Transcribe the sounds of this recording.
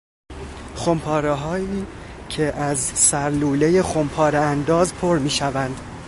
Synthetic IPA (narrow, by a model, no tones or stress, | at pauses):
xompʰɒːɾeɦɒːiː | cʰeʔæzsæɾluːleje̞xompʰɒːɾeænd̪ɒːzpʰoɾmiːʃævænd̪